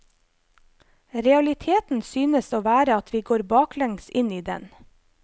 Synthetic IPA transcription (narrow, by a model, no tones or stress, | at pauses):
ɾɛɑlɪt̪ʰeːt̪n̩syːnəsoːʋæːɾəɑt̪ʰʋiːɡoːɾbɑːklɛŋsɪniːd̪ɛ̰n